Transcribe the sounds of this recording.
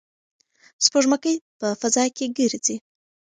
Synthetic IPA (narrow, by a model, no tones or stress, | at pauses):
spoʐmakəjpəfazɑkeɡiɾd͡zi